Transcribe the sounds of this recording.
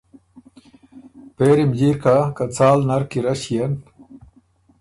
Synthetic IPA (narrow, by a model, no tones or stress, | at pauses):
peːɾimd͡ʑiɾkʰakat͡saːlnɐɾkiɾɐɕijen